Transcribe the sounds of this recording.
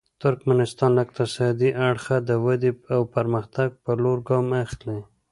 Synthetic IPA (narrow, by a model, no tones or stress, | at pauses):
t̪ʊɾkmanɪst̪ɑnlaɪk̚t̪ɪsɑd̪iʔaɽxad̪əwad̪iawpəɾməxt̪aɡ̚pəloɾɡɑmaxle